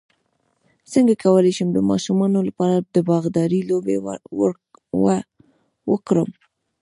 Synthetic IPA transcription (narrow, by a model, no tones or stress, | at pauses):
səŋɡakawəlajʃəmd̪əmɑ̰ʃumɑnolapɑɾad̪əbɑɣd̪ɑɾilobew | wa | wəkɾəm